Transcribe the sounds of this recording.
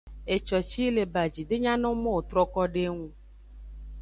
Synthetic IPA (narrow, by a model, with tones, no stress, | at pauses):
e˨t͡ʃɔ˨t͡ʃi˦le˨ba˨d͡ʒi˨ɖe˦ɲã˦nɔ̃˦mɔ̃˦wo˨t̪ɾɔ˦kɔ˦ɖe˦ŋũ˦